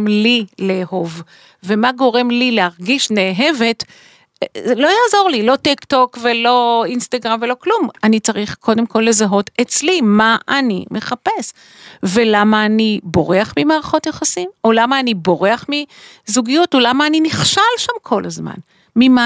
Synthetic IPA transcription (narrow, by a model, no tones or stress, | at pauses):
mlileho̞v | ve̞maɡo̞ʁe̞mlileaʁɡiʃneːɦe̞ve̞t | lo̞jaːzo̞ʁlilo̞tikto̞kve̞lo̞inst̪aɡʁamve̞lo̞klumanit͡saʁiχko̞de̞mko̞lːe̞zaɦo̞tet͡slimaʔanḭmʔe̞χape̞s | ve̞lamaːnibo̞ʁeaχmimaːʁaχo̞tjaχasimo̞lamaːnibo̞ʁeaχmizuɡijutolamaːniniχʃalʃamkʰo̞lʔazma̰n | mima